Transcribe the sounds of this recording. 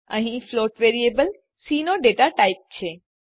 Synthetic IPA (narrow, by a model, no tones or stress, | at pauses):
ə̰ɦĩfloʈʋeɾiebəl | sinoɖeʈaʈaip̚t͡ʃʰe